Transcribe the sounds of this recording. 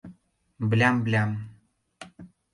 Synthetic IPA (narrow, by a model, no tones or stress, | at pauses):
blʲamblʲam